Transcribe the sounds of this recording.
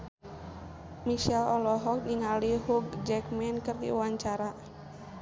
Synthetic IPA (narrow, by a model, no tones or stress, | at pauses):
miʃɛlɔlɔɦɔk̚niŋaliɦuɡd͡ʒɛkmɛnkərdḭuwaɲt͡ʃaɾa